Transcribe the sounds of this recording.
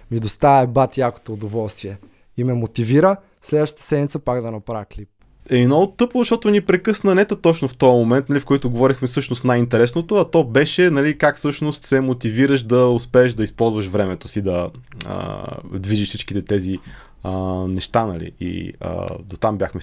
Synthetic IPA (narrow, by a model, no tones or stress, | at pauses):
mid̪ost̪aɛbat̪jako̥t̪oːd̪ovɔlˠst̪viɛ | imɛmot̪iviɾə | slɛd̪vəʃt̪ət̪ə̥sɛd̪nmʲit̪səpaɡd̪ɐnɐpɾavɛklip̚ | ɛɛnɔt̪ɤplʊzɐʃt̪ɔt̪ʊnipɾɛkɤsnənɛt̪ət̪ɔt͡ʃnoft̪ɔjəmomɛnt̪̚nɐlifkɔjt̪ʊɡovɔɾixmɛfsɤʃnost̪najint̪ɛɾɛsnot̪oɐt̪ɔbɛʃɛnɐlikakfsɤʃnost̪sɛmot̪iviɾəʃd̪ɐospɛːʃd̪ɐispɔlˠzvɐʃvɾɛmɛt̪osid̪ɐə̰d̪viʒiʃfsit͡ʃkit̪ɛt̪ɛzi | ənɛʃt̪anɐ̰lḭḭə̰d̪ot̪ambjaxmɛ